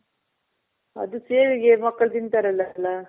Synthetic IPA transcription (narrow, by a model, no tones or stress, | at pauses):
ɐ̰d̪useːʋiɡemɐkːɐɭt̪int̪ɐɾɐlːɐlːa